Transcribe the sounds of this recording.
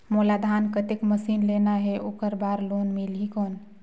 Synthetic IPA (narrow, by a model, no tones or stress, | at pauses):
molad̪ʱankət̪ekməsinlenaɦeʔokəɾbaɾlonmilɦikoːn